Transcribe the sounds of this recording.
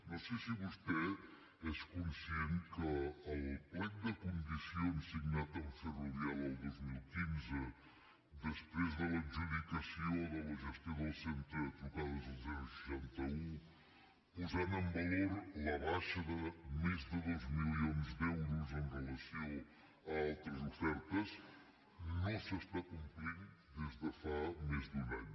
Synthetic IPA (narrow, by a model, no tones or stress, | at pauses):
nosɛsiβust̪ɛ | ɛskunsienkəːlˠplɛnd̪əkund̪isioənsiɡnat̪əlfəruðialˠəlˠd̪ozmilˠkinzə | d̪əspɾezðələnʒuðik̪əsioðələʒəst̪joðəlˠsent̪ɾət̪ɾukaðəzəlˠzanusəʃant̪əũ | uzanɐ̃mbɐlˠoɾlˠaβaʃɐðɨmezðɨðojʒmilˠionzðɛwɾuzẽʁɨlˠɐsiɐ̃w̃ | ɐalˠt̪ɾɐzufɛɾt̪ɐʃ | nɐ̃w̃sɨʃt̪akũmpɾiɾ | ðeʒðɨfameʒðunaɲu